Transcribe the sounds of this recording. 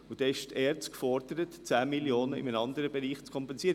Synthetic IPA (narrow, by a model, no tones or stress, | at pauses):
ʊd̥ɛːɪʃtɛːɾt͡skfɔɾd̥̪əɾətt͡sæːmiljoːnəɪ̰mənɑnd̪əɾəbɛɾiːχt͡skʰɔmpɛnsiəɾə